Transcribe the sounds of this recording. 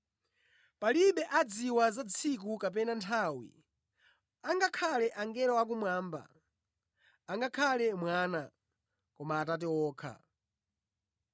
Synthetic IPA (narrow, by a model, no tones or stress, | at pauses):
paliɓɛʔad͡ziwazat͡sʰik̬ukap̬ɛnantʰawḭ | aŋɡakʰalɛʔaŋɡɛɾɔak̬umwaːmba̰ | ŋɡakʰalɛmwaːna | kɔmaːtat̬ɛwɔːkʰa̰